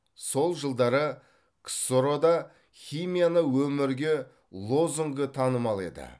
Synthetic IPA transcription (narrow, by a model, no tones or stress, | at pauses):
so̞lˠʒəlˠd̪ɑɾə | kʰsoɾod̪ɑ | χʲijmijanəwɵmɪɾɡʲe̞ | lˠo̞zuŋɡət̪ʰɑnəmɑlˠe̞̰d̪ɪ̰